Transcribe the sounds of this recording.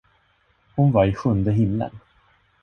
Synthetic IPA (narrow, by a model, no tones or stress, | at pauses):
hʊnvaɾɪɧɵnd̪əɦɪmlə̰n